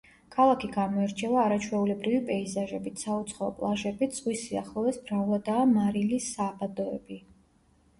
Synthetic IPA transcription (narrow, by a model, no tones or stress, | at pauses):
kʰalˠakʰiɡamɔɛɾt͡ʃʰɛvaːɾat͡ʃʰwɛulɛbɾivipʼɛizaʒɛbit̪ʰsaut̪sʰχɔɔ̰pʼlˠaʒɛbid̪z̥ʼʁwisia̰χlˠɔvɛsbɾavlˠad̪aːmaɾilisːabad̪ɔɛbi